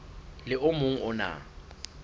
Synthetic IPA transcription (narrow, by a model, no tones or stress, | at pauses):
lɪʊmʊŋ̩ʊna̰